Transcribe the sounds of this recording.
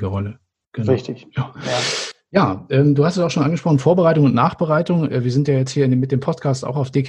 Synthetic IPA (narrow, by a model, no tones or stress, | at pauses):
ɡəʁɔlə | ɡ̥ənɪçtɪç̥a | jaːʔɛːmduːhastsaʊxʃoːnʔanɡəʃpʁɔχnfoːɐbəʁaɪtʊŋʊntnaːχb̥əʁaɪtʊŋɛ̰ːviːɐzɪntjaːjɛt͡sthiːɐɪnemɪtd̥eːmpʰɔstkʰaːsta̰ʊxaʊfd̥eːk